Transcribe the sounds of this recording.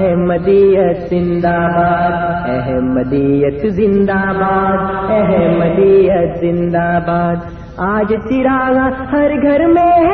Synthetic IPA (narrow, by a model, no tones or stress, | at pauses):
ɦɛ̃mɐd̪iːjɐt̪zɪ̃nd̪aːbaːd̪ɛɦmɐd̪iːjɐt̪zɪ̃nd̪aːbaːd̪ɛɦɛ̃mɐd̪iːɐt̪zɪ̃nd̪aːbaːd̪ | aːd͡ʒt͡ʃ̪iɾaːɡahɐɾɡʱɐɾmẽɦ